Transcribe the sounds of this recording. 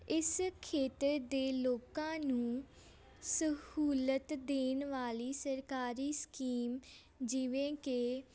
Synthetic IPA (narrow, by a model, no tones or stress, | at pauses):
ɪskʰeːt̪əɾd̪eːloːkãːnũː | səhuːlət̪d̪eːnʋaːliːsəɾkaːɾiːsə̥kiːm | d͡ʒɪʋẽːkeː